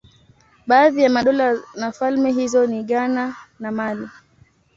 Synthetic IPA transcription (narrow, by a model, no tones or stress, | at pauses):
ɓaːðijamaɗɔlanafalmɛɦizɔniɠananamali